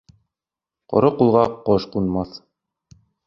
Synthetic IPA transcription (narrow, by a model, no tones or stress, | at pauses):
qɒ̰ɾɤqulˠʁɑqɒʃqunmɑθ